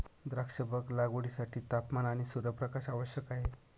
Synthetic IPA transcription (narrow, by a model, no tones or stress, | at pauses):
d̪ɾəkʂəbəklaɡoɽisaʈʰiːt̪apmanaɽ̃isuɾəpɾəkaʃaʋəɕjəkaɦe